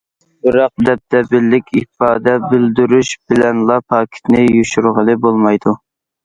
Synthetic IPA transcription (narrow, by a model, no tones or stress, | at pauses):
bɨɾɑq̚d̪ɛp̚t̪ʰɛbɪlːɪkʲʰipɑːd̪ɛbɪld̪yɾyʃb̥ɪlɛnlˠɑpʰɑːkʲʰi̥t̪nɪjyʃyɾʁəlˠɨbolˠmɑjd̪u